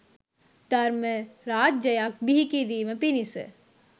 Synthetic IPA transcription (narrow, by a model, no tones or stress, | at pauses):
t̪ɐɾmẽɾaːt̚d͡ʒɐjak̚biɦikid̪iːmẽpinisḛ